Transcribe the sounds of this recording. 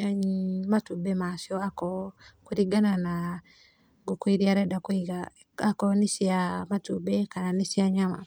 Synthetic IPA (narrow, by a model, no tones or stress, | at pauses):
matubɛmasjɔakɔkuɾiɡanana | ɡukwiɾiaɾɛdakwiɡa | akɔnisiamatubɛkananisiaɲama̰